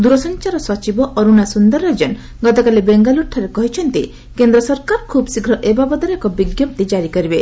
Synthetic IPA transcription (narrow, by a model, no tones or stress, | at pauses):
d̪uɾɔsɔnt͡ʃaɾɔsɔt͡ʃibɔʔɔɾunasund̪ɔɾɾed͡ʒɔn | ɡɔt̪ɔkalibeŋɡaluʈʰaɾekɔɦit͡ʃʰɔnt̪ḭ | kend̪ɾɔsɔɾkaɾkʰubsiɡʱɾɔʔebabɔd̪ɔɾekɔbiɡjɔp̚t̪id͡ʒaɾikɔɾibe